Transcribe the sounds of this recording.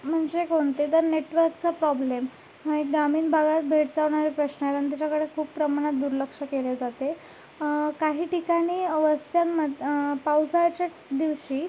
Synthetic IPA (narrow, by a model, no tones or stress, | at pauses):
m̤əɳd͡zekoɳt̪et̪əɾneʈʋəɾkt͡sapɾɔblem | məɦiɡamiːnbʱaɡat̪̚bʱeʈd͡zaʋɳ̃aɾepɾəɕnəalanit̪it͡ɕakəɽekʰuːppɾəmaɽ̃at̪̚d̪uɾləkʂəkeled͡zat̪e | kaɦiːʈikaɽ̃iːəʋəst̪ʰjaməd̪pawsajt͡ɕa | d̪iʋɕiː